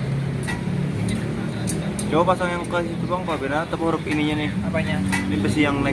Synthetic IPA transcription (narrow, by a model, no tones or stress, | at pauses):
d͡ʒawapasaŋjaŋkoasit̪əpaŋkabenat̪əpuhɾʊpiniɲanɪh | nibəsijaŋlɛ